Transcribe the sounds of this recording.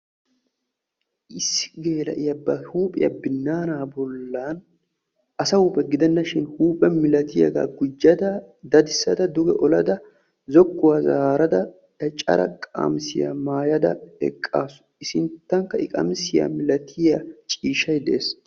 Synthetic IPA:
ʔɪsːɪ̥ɡe̞ːlɐ̰ʔɪjɐbɐhuːpʼɪjɐ̰bɪnːaːnaːbɔlːaːn | ʔɐsɐhuːpʼɛɡɪd̪ɛnːɐʃɪnhuːpʼɛmɪlɐt̪ʰɪjɐ̰ɡa̰ːɡʊd͡ʒːɐd̪ɐd̪ɐd̪ɪsːɐd̪ɐd̪ʊɡɛʔɔlɐd̪ɐ | zɔɡːʊwaːzaːɾɐd̪ɐ | ɐt͡ʃʼɐ̰ɾɐ̰kʼa̰ːmsɪjɐ̰maːjɐd̪ɐ̰ɛ̰kʼːaːsʊ̥ɪsɪnt̪ːɐŋkːɐɪkʼɐ̰msɪja̰mɪlɐt̪ʰɪjɐt͡ʃʼiːʃɐjd̪ɛeːs

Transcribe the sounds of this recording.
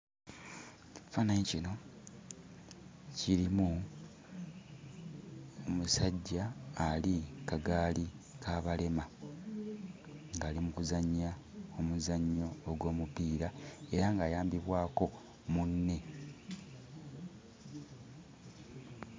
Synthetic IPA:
fanaɲicino̞ | ciɾimu | omusaɟːaːlikaɡaːli | kʰaːβale̞ma | ŋɡaːlimukuzaɲːa | omuzaɲːo̞ːɡwo̞ːmupiːɾae̞ɾaŋɡaːjaːmbiβwaːko̞ | munːe̞

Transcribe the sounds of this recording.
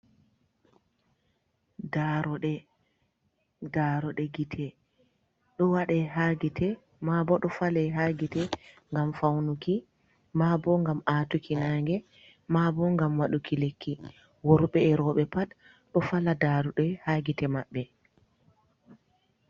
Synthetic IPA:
daɾɔɗɛ | daːɾɔɗɛɡitʰɛ | ɗɔwaɗɛɦaɡitɛ | mabɔɗɔfalɛɦaɡitɛ | ŋɡamfawnuki | mabɔŋɡamatukinaŋɡɛ | mabɔŋɡamwaɗukilekʰːi | woɾɓɛːɾɔɓɛpat | ɗɔfaladaɾuɗɛhaːɡitɛmaɓːɛ

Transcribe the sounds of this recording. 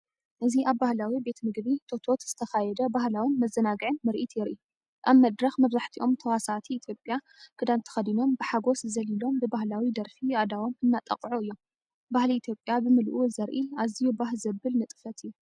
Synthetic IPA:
ʔɨziʔaβːahlawibe̞t̪mɨɡbit̪ʰo̞t̪ʰo̞t̪z̥ɨt̪ʰɐxajɛd̪ɐbahlawinmɐzːɐnaɡɨʕɨnmɨɾʔit̪ʰjɪɾʔi | ʔaβmɐd̪ɾɐxmɐβzaħt̪ʰiʔo̞mt̪ʰɐwasat̪ʰiːt̪ʰjo̞pʼja | kʰɨd̪ant̪ʰɐ̥xɐd̪ino̞mbɨħaɡo̞szɐlilo̞mbɨbahlawid̪ɐɾfiad̪awo̞mɨnːat̪ʼɐ̰qʼʕuɨjːo | bahliit̪ʰjo̞pʼjabɨmɨlʔuzɐɾʔiazijubaɦlzɐbːɨlnɨt̪ʼɨ̥fɐt̪ʰɨjːu

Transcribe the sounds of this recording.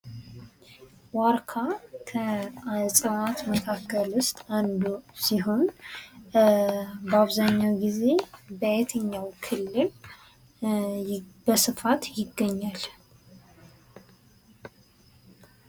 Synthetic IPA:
waɾkʰakʰəsʼənat̪məkʰakːəlʊst̪ʼand̪usiɦo̞n | bəaβzaɲːawɡize̞bəɛt̪ʰəɲːawkʰɨlːɨl | bəsɨfat̪jɪɡːəɲːal

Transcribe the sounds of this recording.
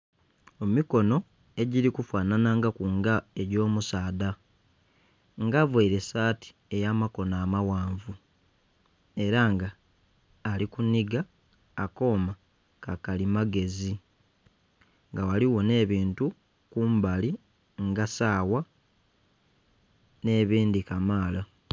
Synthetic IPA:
emiko̞no̞ | e̞ɟiɾikufwaːnanaŋɡakuŋɡae̞ɟo̞ːmusaːda | ŋɡavweiɾe̞saːti̥ | e̞jaːmako̞naːmawaːɱvu | e̞ɾaŋɡaː | likuniɡaː | ko̞ːma | kakalimaɡe̞zi | ŋɡawaliwo̞ne̞ːβiːntu | kumbali | ŋɡasaːwa | ne̞ːβiːndikamaːla

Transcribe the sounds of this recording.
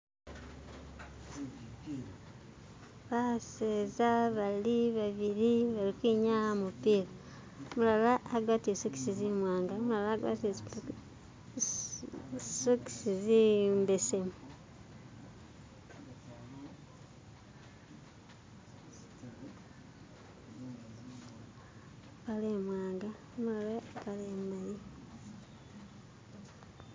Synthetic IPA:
βaseːzaβaliβaβiɾiβaɾikwiːɲahamupiːɾa | mulalaːɡwaːtiesoki̥sizimwaːŋɡamulalaːɡwa̰ːte | soki̥sizimbesem | paleːmwaːŋɡa | mulalapaleːmbaji

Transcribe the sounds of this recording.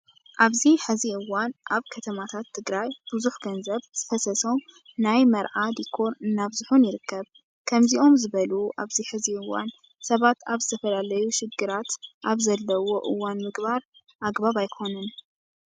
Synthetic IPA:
ʔaβziħɨziʔɨwːanʔaβkʰɐt̪ʰɐmat̪ʰat̪ʰːɨɡɾajb̥ɨzuħɡɐnzɐβz̥ɨfɐsɐso | najmɐɾʕad̪ikʰːo̞ɾɨnːaβzuħunjɪɾɨkːɐβ | kʰɐmziʔo̞mzɨβɐluʔaβziħɨziɨwːa̰n | sɐβat̪aβzɨt̪ʰɐfɐlalɐjuʃɪɡɨɾat̪ʔaβzɐlːɐwo̞ʔɨ̰wːanmɨɡbaɾ | ʔaɡbaβajkʰo̞nɨn

